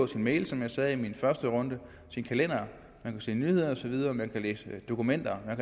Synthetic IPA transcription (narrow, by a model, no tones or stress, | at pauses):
ɔ̰̽sinmeɪlsɒ̽mjɑ̈ɪsɛðˠiminfɶɐsd̥əʁɔ̽nd̥ə | sinkʰælen̰ɐ | mænkʰæse̝̰ːnyhe̝ð̞̰ˠɐɒ̽sɒʋið̞ˠɐmænkʰælḛːsəd̥o̝kumen̰d̥ɐmænk